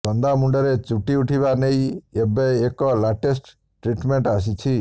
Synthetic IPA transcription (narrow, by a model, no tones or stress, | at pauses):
sɔnd̪amuɳɖɔɾet͡ʃuʈiuʈʰibanejebeːkɔlaʈes̬ʈ | ʈɾiʈmeɳʈas̬it͡ʃʰi